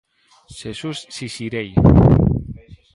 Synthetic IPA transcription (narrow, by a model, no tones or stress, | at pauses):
ʃesusːisiɾej